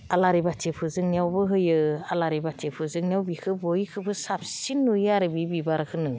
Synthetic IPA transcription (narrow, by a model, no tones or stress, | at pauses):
alaɾibatʰepʰɯzɯŋnijawbɯɦɯjɯalaɾibatʰepʰɯzɯŋnijawbikʰɯbɔjkʰɯbɯsap̚sinːujaɾɯbibibaɾkʰɯnɯ